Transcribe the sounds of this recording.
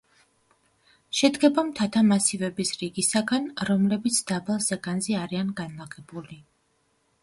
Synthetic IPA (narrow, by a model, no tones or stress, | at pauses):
ʃɛd̪ɡɛbamt̪ʰat̪ʰamasivɛbisɾiɡisaɡanɾɔmlɛbit̪sʰd̪̥abalˠsɛɡanzɛaɾianɡanlˠaʁɛbuli